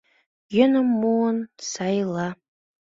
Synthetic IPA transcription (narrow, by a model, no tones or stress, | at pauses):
jɵ̆nə̆mːuənsɑjlˠɑ